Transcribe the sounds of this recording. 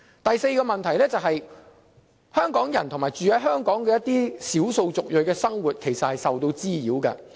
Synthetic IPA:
t̪ɐ˨jse˧jkɔː˧mɐ˨nt̪ʰɐ˨˩jlɛː˥t͡sɐ˨wɦɐ˨j | hœː˥ŋkɔː˨˥ŋjɐ˨˩nt̪ʰʊ˨ŋmaː˨˩jt͡ʃyː˨jɐ˨˥ɦœː˥ŋkɔː˨˥ŋkɛː˧jɐ˥t̪iː˥siː˨˥wso˧wt͡sʊ˨k̚jɵ˨˩kɛː˧sɐ˥ŋwuː˨t̚kʰe˨˩jsɐ˨t̚hɐ˨jsɐ˨wt̪o˧wt͡siː˥jiː˨˥wkɐ˧

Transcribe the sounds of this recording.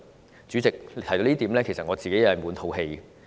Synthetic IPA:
t͡syː˨˥t͡sɪ˨k̚t̪ʰjt̪o˨˧wliː˥t̪iː˨˥mlɛː˥kʰe˨˩sɐ˨t̚ŋɔː˨˧t͡siː˨ke˨˥jɐ˧ɐ˨˩muː˨˧nt̪ʰo˧whe˧j

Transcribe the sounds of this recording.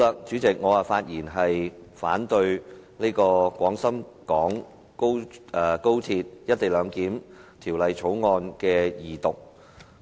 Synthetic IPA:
a˧t͡ʃyː˨˥t͡sɪ˨k̚ŋɔː˨˧aː˨faː˧t̚jiː˨˩nɦɐ˨jfa̰ː˨˥nt̪ɵ˧ɥ | neː˥kɔː˧kʷwʷɔː˨˥ŋsɐ˥mkɔː˨˥ŋ | ko˥wko˥wt̪ʰiː˧t̚jɐ˥t̚t̪e˨˩lœː˨˧ŋkiː˨˥mt̪ʰiː˨˩wlɐ˨˧jt͡sʰo˨˥wŋɔː˧nkɛː˧jiː˨t̪ʊ˨k̚

